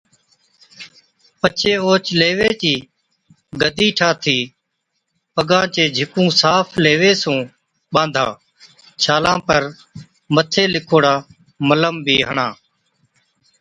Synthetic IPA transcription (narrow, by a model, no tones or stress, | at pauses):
pət͡ʃʰeːoːt͡ʃleːʋeːt͡ʃiː | ɡəd̪ʱiːʈʰaːt̪ʰiː | pəɡãːt͡ʃeːd͡ʒʱɪkũːsaːpʰleːʋeːsũː | ɓãːnd̪ʱa̰ː | t͡ʃʰaːlãːpəɾ | mət̪ʰeːlɪkʰoːɽaː | mələmbiːɦəɳãː